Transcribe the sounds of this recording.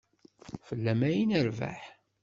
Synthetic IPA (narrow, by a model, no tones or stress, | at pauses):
fəlːæmæjinəɾva̰ħ